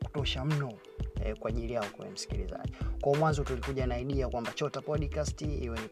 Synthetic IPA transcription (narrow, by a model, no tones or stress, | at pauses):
ku̥tɔʃam̩nɔ | ɛkwaʄilijaɔkɛ̰wɛ̰m̩si̥kḭlḭza̰ʄikwaɔmwanzɔtulikuʄanaiɗiakwambat͡ʃɔtapɔɗikastiḭwɛni